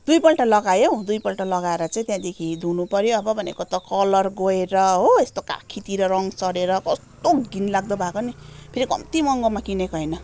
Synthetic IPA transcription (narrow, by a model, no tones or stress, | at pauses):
d̪ujpʌlʈalʌɡajod̪ujpʌlʈalʌɡaeɾʌt͡saĩt̪jãd̪ekʰid̪unupʌɾjoʌbʌbʱʌnḛkot̪ʌkʌlʌrɡoeɾʌɦoest̪oka̰kʰit̪iɾʌɾʌŋɡsʌɾeɾʌkʌst̪oɡinlaɡ̚d̪ʌbʱakonipʰeɾikʌ̰mt̪imʌŋɡomakinekoɦʌjnʌ